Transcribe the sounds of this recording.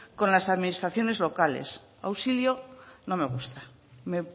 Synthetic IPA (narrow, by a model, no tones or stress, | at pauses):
kõ̞nlasaðminist̪ɾaθjo̞ne̞zlo̞kalḛs | a̰wsiljono̞me̞ɣ̞ust̪a | me